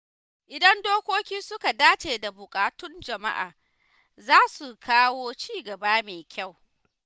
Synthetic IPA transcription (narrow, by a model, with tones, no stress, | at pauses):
ʔɪ˨dɐ˦ndoː˦kʷoː˦kʲiː˦sʊ˦ka˨daː˦t͡ʃeː˨da˨bʊ˨kʼaː˨tʊ˦nd͡ʒɐ˨ma̰˦ʔa̰ː˨ | zaː˦su˨kʰaː˦woː˦t͡ʃiː˦ɡɐ˨baː˦meː˨kʲʰa˦˨w